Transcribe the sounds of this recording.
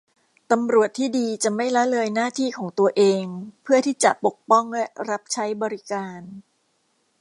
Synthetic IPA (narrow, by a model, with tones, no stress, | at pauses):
t̪a˧mɾu˨˩ət̪ʰːiː˥˩diː˧t͡ɕa˨˩ma˥˩jla˦˥lɤː˧jnaː˥˩t̪ʰiː˥˩kʰɔː˩˦ŋt̪u˧ɐʔeː˧ŋpʰɯ˥˩ət̪ʰiː˥˩t͡ɕa˨˩ʔpo˨˩k̚pɔ˥˩ŋlɛ˦˥ɾa˦˥p̚t͡ɕʰa˦˥jbɔː˧ɾi˦˥kaː˧n